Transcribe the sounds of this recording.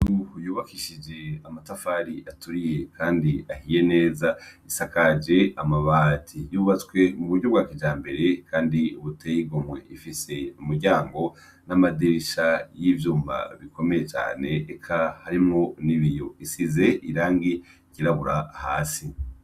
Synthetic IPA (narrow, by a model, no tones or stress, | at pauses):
jujuːβakiʃid͡ʒe̞amatafaɾiʔatuɾije̞kʰaːndiahije̞ne̞ːzaisakad͡ʒe̞amaβaːtʰijuːβat͡swe̞muβuɾɟo̞bɡaːkid͡ʒaːmbe̞ɾe̞kʰaːndiuβutʰeːjiɡo̞mwe̞̰ʔifise̞umuɾɟaːŋɡo̞ | namadiɾiʃajivjuːmba̰βikʰo̞me̞je̞t͡ʃa̰ːne̞ːkʰahaɾimŋo̞niβijo̞isize̞ʔiɾaːŋɡi | kiɾaβuɾahaːsi